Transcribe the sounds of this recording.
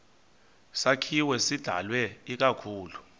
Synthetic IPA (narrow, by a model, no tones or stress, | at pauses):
sakʰiwɛsid̥ʱa̰lwɛik̬akʰuːlu